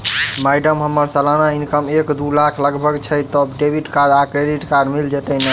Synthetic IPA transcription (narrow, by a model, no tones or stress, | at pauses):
majɖəmɦəmːəɾsəlanainkəmekd̪ulakʰləɡbʱəɡt͡ʃʰət̪ɔbɖebʱiʈkaɾakɾeɖiʈkaɾmild͡ʒet̪ənə